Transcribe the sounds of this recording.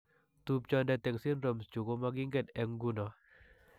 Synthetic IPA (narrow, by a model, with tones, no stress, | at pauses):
t̪u˨p̚t͡ʃɔ˦ndɛ˨t̪ɛ˨ŋsi˦nɾo˨mst͡ʃu˨ɡo˦ma˦ɡɪ˦ŋɡɛ˦dɛ˨ŋɡu˦nɔ˨